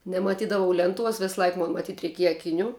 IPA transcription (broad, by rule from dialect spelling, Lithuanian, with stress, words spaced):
nʲɛmɐˈtʲiːdɐʋɐʊ ˈlʲɛnˌtuɔs ˈʋʲɪsˈlˠɐɪk ˈmoːn mɐˈtʲiːt rʲɛɪˈkʲiɛjɛ ɐkʲɪˈnʲuː